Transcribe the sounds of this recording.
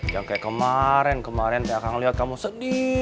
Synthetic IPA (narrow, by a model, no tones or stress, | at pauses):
jaŋkajakəmaɾɛnkəmaɾɛnkajakaŋliɦat̪̚kamusədi